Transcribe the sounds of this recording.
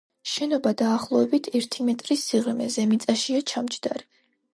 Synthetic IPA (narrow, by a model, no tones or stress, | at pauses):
ʃɛnɔbad̪aːχlˠɔɛbit̪ʰɛɾt̪ʰimɛt̪ʼɾisiʁlmɛ̰zɛmit̪sʼaʃiat͡ʃʰamt͡ʃʰd̪aɾɛ